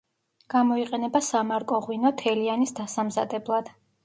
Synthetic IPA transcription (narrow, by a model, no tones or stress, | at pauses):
ɡ̥amɔiqʼɛnɛbasamaɾkʼɔʁwinɔt̪ʰɛlianisd̪asamzad̪ɛblˠad̪̥